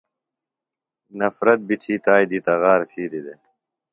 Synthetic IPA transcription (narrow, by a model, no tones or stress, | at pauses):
nɐfɾɐt̪̚bit̪ʰiːt̪aːjd̪iːt̪ɐɣaːɾt̪ʰiːd̪id̪e